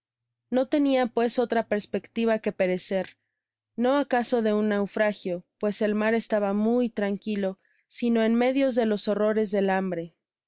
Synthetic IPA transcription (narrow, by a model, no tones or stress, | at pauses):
no̞t̪e̞niapwe̞so̞t̪ɾape̞ɾspe̞kt̪iβ̞ake̞pe̞ɾe̞se̞ɾ | no̞akaso̞ðe̞unːawfɾaxjo̞pwe̞se̞lmaɾe̞st̪aβamujt̪ɾaŋkilo̞ | sino̞e̞nme̞ðjo̞zðe̞lo̞so̞ro̞ɾe̞zðe̞lambɾe̞